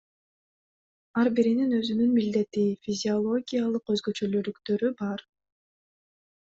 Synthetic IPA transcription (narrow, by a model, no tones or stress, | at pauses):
ɑɾbiɾininø̞zynynmild̪e̞t̪ifʲizʲiolˠo̞ɡʲijalˠɯqøzɡø̞t͡ʃø̞lølykt̪ø̞ɾybɑɾ